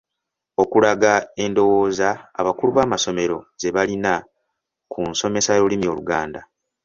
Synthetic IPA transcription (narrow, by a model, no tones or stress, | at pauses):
o̞kulaɡae̞ndo̞wo̞ːza̰ːβakuluβaːmaso̞me̞ɾo̞ze̞βalina | kʰunso̞me̞sajolimio̞luɡaːnda